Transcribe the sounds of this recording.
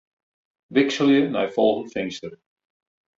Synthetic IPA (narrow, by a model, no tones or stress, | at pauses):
ʋɪksəljəna̰jfɔlˠɣənfɪnstər